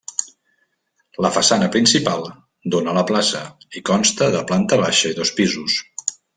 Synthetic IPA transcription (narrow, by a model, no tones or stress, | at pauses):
ləfəsanəpɾinsipalˠ | d̪onəːləplasəikɔnst̪əðəplant̪əβaʃəiðɔspizus